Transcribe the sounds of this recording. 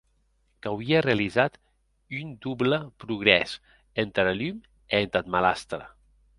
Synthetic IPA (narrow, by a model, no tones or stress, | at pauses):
kawiərealizat̪ | ynd̪ubləpɾuɣɾɛ̰s | ent̪ɾalym | ent̪at̪malast̪ɾə̰